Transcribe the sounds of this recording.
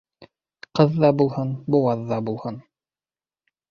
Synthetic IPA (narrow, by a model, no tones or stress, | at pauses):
qɤðːɑbulˠhɤnbuʁɑðːɑbulˠhɤn